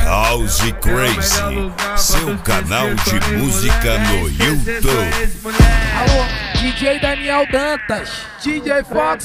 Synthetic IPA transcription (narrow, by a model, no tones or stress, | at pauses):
hawzikɾejzḭsewkanawd͡ʒɪmuzikɐnʊjut̪ub | awd͡ʒid͡ʒejd̪ɐniɛwd̪ɐ̃t̪ɐs | d͡ʒid͡ʒejfɔ